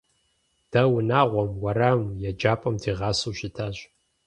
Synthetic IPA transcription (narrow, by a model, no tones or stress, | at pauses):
d̥ɐwʊnaːʁʷɔmwɐɾaːmjɛd͡ʒaːpʼɐmdiːʁɑːsuːʃɪtʰaːɕ